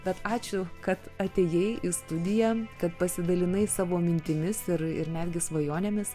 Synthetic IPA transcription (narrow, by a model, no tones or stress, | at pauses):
bʲɛt̪ɑːt͡ʃʲʊkɐt̪ɐt̪ʲeːjɛɪʔɪst̪ʊd̪ʲɪjɛkɐt̪pɐsʲɪd̪ɐlʲɪnɐɪsɑːʋoːmʲɪnʲt̪ʲɪmʲɪsɪɾɪ̰ɾnʲæd̪ʲɡʲɪsʋɐjoːnʲeːmʲɪs